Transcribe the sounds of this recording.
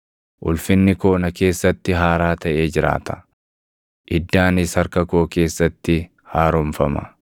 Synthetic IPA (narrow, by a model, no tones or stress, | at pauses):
ʔʊ̰lfɪnːɪko̞ːnɐke̞ːsːɐt̪ːɪɦaːɾaːt̪ɐʔe̞ːd͡ʒɪɾa̰ːt̪ɐ̥ | ʔɪd̪ːaːnɪshɐɾkɐko̞ːke̞ːsːɐt̪ːɪ | haːɾɔmfɐmɐ̰